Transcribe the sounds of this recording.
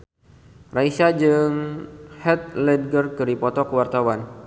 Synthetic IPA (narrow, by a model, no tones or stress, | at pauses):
raisad͡ʒɨŋhɛt̪̚lɛd̚ɡərkəɾipɔt̪ɔkəwart̪awan